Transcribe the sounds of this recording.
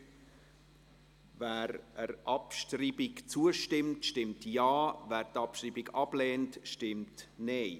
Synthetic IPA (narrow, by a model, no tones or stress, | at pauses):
væːɾəɾʔɑpʃtriːbɪkt͡suəʃtɪmtʃtɪmtjaːvæːɾtɑpʃriːbiɡɑb̥lɛːntʃtɪmtneɪ